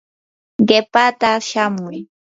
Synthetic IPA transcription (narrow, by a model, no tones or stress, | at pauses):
ɢepat̪aʃamʊj